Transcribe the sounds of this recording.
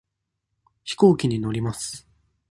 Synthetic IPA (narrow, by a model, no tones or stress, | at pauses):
çi̥ko̞ːkʲiɲ̟ino̞ɾʲimasɨ̥